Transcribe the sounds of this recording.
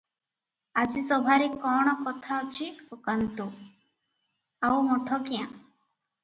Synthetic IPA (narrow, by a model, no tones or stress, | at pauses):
ad͡ʒisɔbʱaɾekɔɽ̃ɔkɔt̪ʰaɔt͡ʃʰiokant̪u | awmɔʈʰɔkijã̰